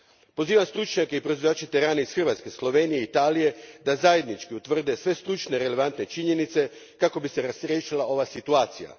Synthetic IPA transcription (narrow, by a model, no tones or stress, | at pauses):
po̞ziːʋamst̪ɾut͡ʃɲake̞ipɾoizʋajaːt͡ʃet̪eɾaːneisxr̩ʋat̪ske̞slˠo̞ʋe̞ːnijeit̪aːlije̞d̪azaje̞d̪nit͡ʃkiut̪ʋr̩d̪e̞sʋe̞st̪ɾut͡ʃne̞ɾe̞le̞ʋant̪ne̞t͡ʃiɲe̞nit̪se̞ | kako̞bise̞ɾasɾjeːʃilˠaʔo̞ʋasit̪uaːt̪sija̰